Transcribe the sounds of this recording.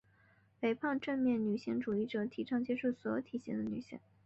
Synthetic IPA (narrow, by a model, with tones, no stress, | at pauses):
pe˨˩ɪpʰɑ˥˧ŋʈ͡ʂə˥˧nmjɛ˥˩nny˨˩ɕi˥ŋʈ͡ʂu˨˩i˥˩ʈ͡ʂɤ˨˩t̪ʰi˧˥ʈ͡ʂʰɑ˥˧ŋt͡ɕɛ˥ʂu˥˩swɔ˧˥jo˨˧˩ʊt̪ʰi˨˩ɕɛ̰˥ŋd̪ə˧ny̰˨˩ɕḭ˥˩ŋ